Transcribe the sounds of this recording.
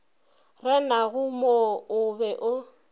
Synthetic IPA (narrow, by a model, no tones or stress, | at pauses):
rɛnaɣʊmoʊbɛʔʊ